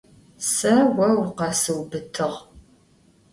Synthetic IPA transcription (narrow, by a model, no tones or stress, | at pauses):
sɐwɐwqɐsɨwbɨtʰɨʁ